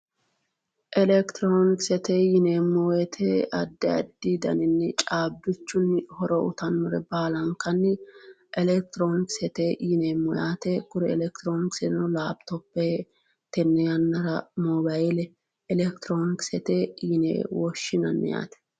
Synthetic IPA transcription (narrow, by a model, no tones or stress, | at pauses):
ʔɛlɛkt̪ɪɾonɪksɛt̪eːjɪneːmːɔjɛt̪ʰeɐd̪ːɛɐ̰d̪ːid̪ɐ̰nɪnːɛt͡ʃʼaːbːɪt͡ʃːʊnhɔɾɔʔʊ̰t̪ɐnːʊɾɛ̰baːlɐŋkɐnːɪ | ʔɛlɛk̚t̪ɪɾoːnɪksɛt̪eːjɪneːmːɔjaːt̪ekʊɾɛɛlɛkt̪ɪɾoːnɪksɛnɔlaːbt̪ɔpːe | t̪ɛnːɛjɐnːɐɾɐmɔbajɪlɛ | ɛlɛkt̪ɾoːnɪksɛt̪eːjɪnḛːwɔʃːɪnɐ̰nːɪ̰ja̰ːt̪ɛ̥